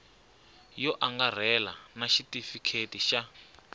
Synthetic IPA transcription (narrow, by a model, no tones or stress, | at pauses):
jɔʔaŋɡar̤ɛla̰naʃitifikʰetiʃa